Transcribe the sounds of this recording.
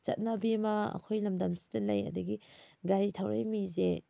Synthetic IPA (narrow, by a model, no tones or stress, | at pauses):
t͡ʃɐ̰t̚nɐbimɐɐ̰kʰojlɐmdɐmsi̥dɐlɐjɐ̰dɐɡiɡaɾitʰawɾa̰jmize